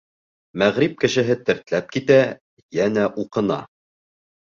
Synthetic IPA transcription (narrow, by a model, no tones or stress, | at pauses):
mæʁɾip̚kɘ̆ʃɘ̆ɦɘt̪ɘ̆ɾt̪læp̚kit̪æ | jænæʔuqɤ̆nɑ̰